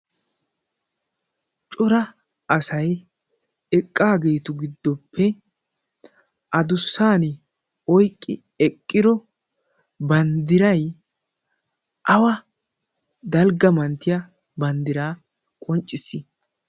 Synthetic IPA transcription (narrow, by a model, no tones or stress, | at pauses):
t͡ʃʼɔɾɐ | ʔɐsɐj | ɛkʼːaːɡeːt̪ʊɡɪd̪ːɔpʰːɛ | ʔɐd̪ʊsːaːnɪ | ɔjkʼːɪ | ɛkʼːɪd̪ɔ | bɐnd̪ɪɾɐj | ʔɐwɐ | d̪ɐlɡɐmɐnt̪ɪjɐ | bɐnd̪ɪɾaː | kʼɔnt͡ʃʼːɪsːɪ